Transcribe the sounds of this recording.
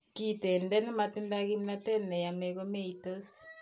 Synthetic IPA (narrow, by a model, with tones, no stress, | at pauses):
ki˨tɛ˨ndɛ˦nɛ˦ma˨ti˦nda˦ɣi˦mna˦tɛ˦nɛ˨ja˨mɛ˨ɣo˦me˦itos